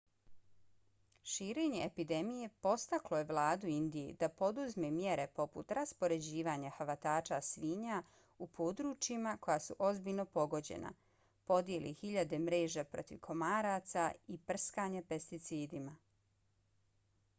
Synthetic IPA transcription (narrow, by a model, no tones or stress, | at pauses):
ʃiːɾeːɲe̞epid̪e̞mije̞po̞st̪aklo̞je̞ʋlˠaːd̪uind̪ijḛd̪apo̞d̪uzmemje̞ɾe̞po̞pṵt̪ɾaspo̞ɾe̞d͡ʑiːʋaɲaxaʋat̪aːt͡ʃasʋiːɲa | upʰoːd̪ɾut͡ʃimako̞jasuʔo̞zbilʎno̞po̞ɡo̞d͡ʑḛna̰ | po̞d̪je̞lʔixiʎad̪e̞mɾeːʒapɾo̞̰t̪iʋkʰo̞maːɾat̪saipr̩skaɲape̞st̪it̪siːd̪ima